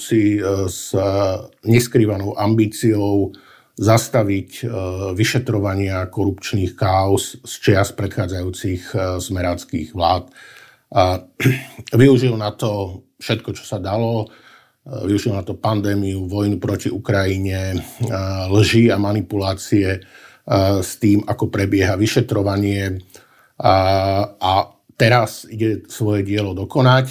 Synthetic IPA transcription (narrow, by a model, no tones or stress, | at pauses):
siz | ɲɛskɾiːʋanɔʊʔambiːt͡siɔʊ | zast̪aʋicʋiʃɛt̪ɾɔʋaɲɪakɔɾupt͡ʃniːxkaːɔsst͡ʃɪast̪̚pɾɛt̪xaːd͡zajuːt͡sixzmɛɾaːt͡skḭːɣʋlaːt̪ | ʋiuʒilnat̪ɔ | fʃɛt̪kɔt͡ʃɔ̥sad̪alɔ | ʋiuʒilnat̪ɔpand̪ɛːmiuʋɔjnupɾɔciukɾajiɲɛ | lʒiamanipulaːt͡siɛ | st̪iːmakɔpɾɛbɪɛɦaʋiʃɛt̪ɾɔʋaɲɪɛ | ʔa | t̪ɛɾasiɟɛsʋɔjɛɟɪɛlɔd̪ɔkɔnac